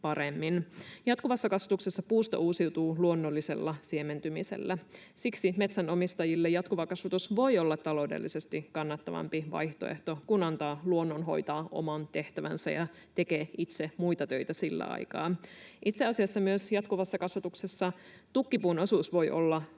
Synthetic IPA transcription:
pɑɾemːinjɑt̪kuʋɑsːɑkɑsʋɑt̪ukse̞sːɑpuːst̪ɑ̰uːsiwt̪uːluo̞nːo̞lːise̞̰lːɑsie̞me̞nt̪ymise̞̰lːæ | siksime̞t̪sæno̞mist̪ɑjilːejɑt̪kuʋɑkɑsʋɑt̪usʋo̞jo̞lːɑt̪ːɑlo̞udḛlːise̞st̪ikɑnːɑt̪ːɑʋɑ̰mpiʋɑ̰jht̪o̞̰ḛht̪o̞kunɑnt̪ɑːluo̞nːonɦo̞̰jt̪ɑːʔo̞̰mɑnt̪e̞ht̪æʋæ̰nsæ̰jɑ | t̪e̞keːit̪semujt̪ɑt̪ø̞it̪æsilːæ̰ɑ̰jkɑ̰ːʔit̪seɑsiɑsːɑmyøsjɑt̪kuʋɑsːɑkɑsʋɑt̪uksesːɑ | t̪ukːipuːno̞suːsʋo̞jʔo̞̰lːɑ

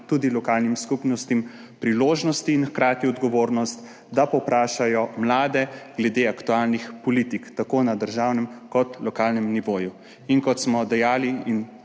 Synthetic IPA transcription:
t̪uːd̪ilɔkaːlnimskupnɔst̪im | pɾiloːʒnɔst̪iːnxkɾaːt̪iɔd̪ɡɔʋoːɾnɔst̪ | d̪apɔpɾaːʃajɔmlaːd̪ɛɡ̥lɛd̪eakt̪ualnixpɔliːt̪ikt̪akoːnad̪əɾʒawnɛmkɔt̪lɔkalnɛmniʋoːju | inkɔt̪smɔd̪ɛjaːliin

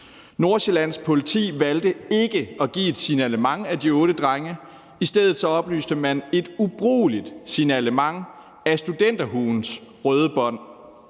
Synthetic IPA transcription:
no̝ɐɕelæn̰spʰo̝lit͡sʰḭːʋæld̥əe̝ɡ̥əɒ̽ɡ̥ḭːe̝d̥sinæləmɑ̈ŋæd̥iɔ̽ːɾ̥əd̥ʁaŋə | isd̥eð̞̰̩ˠsɒ̽ɒ̽b̥ly̰ːsd̥əmæne̝d̥ub̥ʁṵːlid̥sinæləmɑ̈ŋ̰ | æsd̥ud̥en̰d̥ɐɦuːnsʁœːð̞ˠəb̥ɒ̽n̰

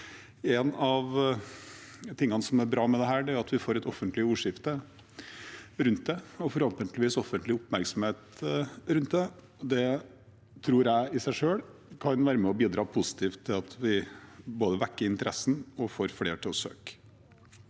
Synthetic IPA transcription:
ɛnɑʋ | t̪ʰɪŋːɑnəsɔmæɾbɾɑːmɛd̪ɛɦæːɖɛæɾʊɑt̪ʋɪfoːɾɛt̪ɔfːənt̪lɪuːʂɪft̪ə | ɾʉnt̪̚d̪ɛɔfɔɾhɔlt̪ɪŋt̪lɪʋiːsɔfːənt̪lɪʊpmæɾksɔm̩heːt̪ɾʉnt̪̚d̪ɛ | ɔd̪ɛ | t̪ʰɾuːɾjæɪɪsæɪʂøːɭkʰɑnʋæːɾəmɛɔbiːd̪ɾɑːpʰʊsɪ̥t̪ʰiːft̪ʰːɪlɑt̪ʰʋɪboːd̪əʋækːəɾɪnt̪əɾʔɛsːn̩ɔfoːɾflḛːʈʰɪlɔsø̰ːk

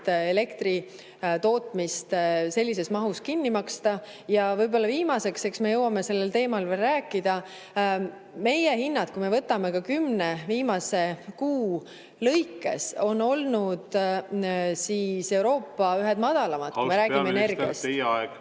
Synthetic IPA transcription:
e̞le̞kt̪ri | t̪o̞ːt̪mist̪se̞lʲːis̬e̞smɑɦuskinːimɑkst̪ɑ | jɑvɤjbo̞lːɑviːmɑse̞kse̞ksme̞jɤwːɑme̞se̞lːelt̪e̞ːmɑlverːæːkːˑid̪ɑ | me̞jehinːɑd̪̥kume̞vɤt̪ːˑɑme̞kɑkymne̞viːmɑse̞kuː | lɤjkːˑe̞̰so̞nːo̞lnud̪̥ | siːse̞wɾo̞ːpːɑyɦed̪̥mɑd̪̥ɑlɑmɑd̥̪kumeɾæːiene̞rɡ̪iɑ̰st̪ːɑeɡ

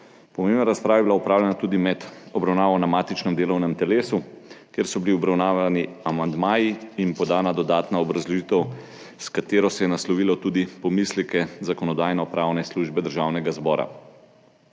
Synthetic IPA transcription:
pɔmebnaɾaspɾaːʋabilaupɾaːwlʲɛnat̪uːd̪imɛd̪ɔbɾawnaːʋɔnamaːt̪it͡ʃnɛmd̪eːlɔwnɛmt̪ɛleːsukjeɾsɔbiliɔbɾawnaːʋaniamand̪maːjiinpɔd̪aːnad̪ɔd̪aːt̪naɔbɾazlɔʒit̪ɛw | skat̪eːɾɔsɛjɛnaslɔʋilɔt̪ud̪ipɔmislikɛzakɔnɔd̪aːjnɔpɾawnɛsluʒbɛd̪əɾʒawnɛɡazbɔːɾa̰

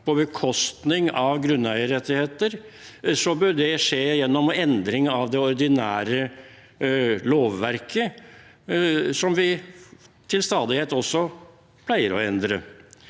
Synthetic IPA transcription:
pʰɔbəkʰɔst̪nɪŋɑʋɡɾʉnːæɪəɾɛt̪ːɪheːt̪əɾ | sɔbøɖɛʂeːjɛnːɔmɛnd̪ɾɪŋɑʋd̪ɛɔɾd̪ɪnæ̰ːɾə | loːʋʋæɾkʰə | sɔmʋɪ | t̪ʰɪlst̪ɑːd̪ɪheːt̪ɔsːɔ | pʰlæɪəɾɔ̰ɛnd̪ɾə̰

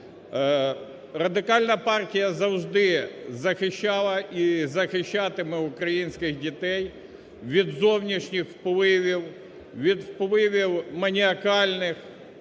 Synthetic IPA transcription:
rɐd̪ɪkɑlʲnɐpɑrtʲijɐzɐwʒd̪ɪzɐxɪʃːɑlˠɐʔizɐxɪʃːɑt̪ɪmɪʊkɾɐjinʲsʲkɪɣdʲit̪ɛj | ʋʲid̪zɔwnʲiʃnʲixwpɔʋɪʋʲiw | ʋʲid̪wpɔʋɪʋʲiwmɐnʲiɐkɑlʲnɪx

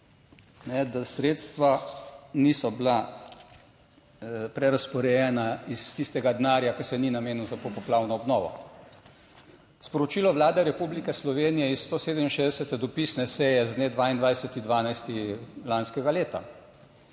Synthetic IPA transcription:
nɛd̪asɾeːt̪st̪ʋanisɔbla | pɾɛɾaspɔɾɛjɛnaist̪ist̪ɛɡad̪naːɾjakɛsɛninameːnuzapɔpɔplaːwnɔɔbnɔːʋɔ̰ | spɔɾɔt͡ʃiːlɔʋlaːd̪ɛɾɛpublikɛslɔʋeːnijɛisːt̪oːseːd̪ɛminʃeːzd̪ɛsɛt̪ɛd̪ɔpisnɛsɛjɛzned̪ʋaːind̪ʋajsɛt̪id̪ʋaːnajst̪ilanskɛɡaleːt̪a̰

